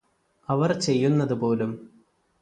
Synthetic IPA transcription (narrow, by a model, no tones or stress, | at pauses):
ɐʋɐrt͡ɕe̞jːunːɐðupo̞ːlum